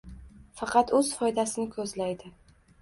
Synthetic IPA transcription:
fɑqʰɑt̪ɵz̥fɒjd̪asɪnɪkʰɵzlajd̪ɪ

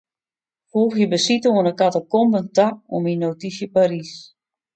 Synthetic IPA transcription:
fuːxjəbəsitoənəkatɔkɔmbəntakominotisjəpaɾis

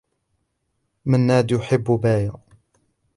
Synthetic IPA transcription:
manːaːd̪jʊħɪbːʊbaːja

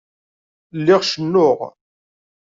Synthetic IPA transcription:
lːɪʁʃənːʊʁ

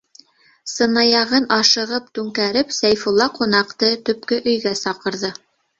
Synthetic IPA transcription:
sɤ̆nɑjɑʁɤnʔɑʃɤ̆ʁɤp̚t̪ʉŋkæɾɘpsæjfulˠːɑqunɑqt̪ɤt̪ɵ̆p̚kɵʔɵ̆jɡæsɑqɤ̆ɾðɤ

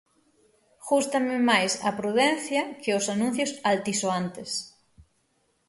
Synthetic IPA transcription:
xust̪ɐmɪmajsɐ̰pɾuðɛn̟θjɐkʰɪʊsanũn̟θjosalt̪isoant̪ɪs

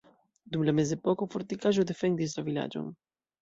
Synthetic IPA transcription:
d̪umlamezepɔkofoɾt̪ikaʒod̪efɛŋd̪is̬t̪ɾovila̰d͡ʒo̰ŋ

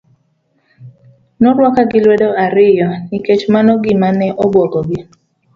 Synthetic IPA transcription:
nɔɾwakaɡɪlwedoaɾɪjɔnɪket͡ʃmanɔɡɪmanɛʔɔbwɔɡɔɡɪ

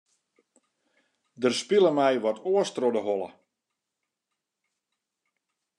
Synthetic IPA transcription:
dərspiləmɛjʋɔtʰoəstrodəɦɔlˠə̰

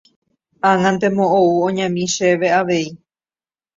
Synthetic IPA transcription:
ãŋãnt̪e̞mõʔouõɲãmĩʃe̞ʋe̞aʋe̞i

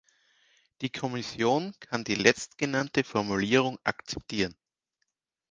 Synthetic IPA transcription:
d̥iːkʰɔmɪsjoːnkʰandiːlɛt͡stɡ̥ənantəfɔɐmuliːʁ̞ʊŋʔa̰kt͡sɛ̥p̚tʰiːʁən

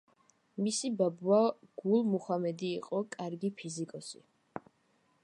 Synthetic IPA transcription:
misibabwaɡ̥ulˠmuχamɛd̪iːqʼɔkʼaɾɡipʰizikʼɔsḭ

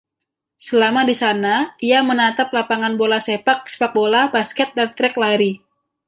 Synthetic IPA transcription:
səlamadisanaʔijamənat̪ap̚lapaŋanbolasepak̚se̥pak̚bolabaskɛt̪̚dant̪ɾɛk̚laɾi

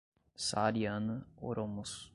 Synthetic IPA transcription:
saɾiano̰ɾomus

